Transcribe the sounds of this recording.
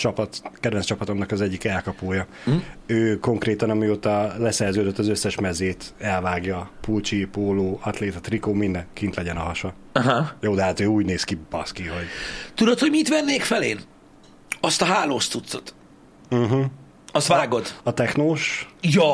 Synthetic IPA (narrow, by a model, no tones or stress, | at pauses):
t͡ʃɒpɒt̪kɛd̪vɛnst͡ʃɒpɒt̪o̞mnɒkɒzɛɟːikɛlkɒpoːjɒ | øːko̞ŋkreːt̪ɒnɒmioːt̪ɒlɛsɛrzøːd̪øt̪ːɒzøsːɛʃmɛzeːt̪ɛlvaːɡjɒpult͡ʃipoːloːɒt̪leːt̪ɒt̪rikoːmind̪ɛŋkint̪lɛɟɛnɒɦɒʃɒɦajoːd̪ɛɦaːt̪øːuːɟneːskibɒ̰skiɦo̞ɟt̪ud̪ot̪hoɟmit̪vɛnːeːkfɛleːn | ɒst̪ɒɦaːloːst̪ːut̪sot̪̩ | ɦ̩ | ɒst̪vaːɡo̞d̪ɒt̪ɛknoːʃjɒ